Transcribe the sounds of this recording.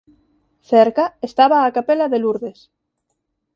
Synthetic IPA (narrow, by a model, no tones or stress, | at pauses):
θeɾkaest̪aβaːkapelaðeluɾðes